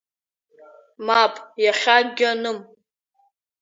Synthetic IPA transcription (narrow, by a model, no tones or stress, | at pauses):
mapʼjaχʲaɡʲanɨm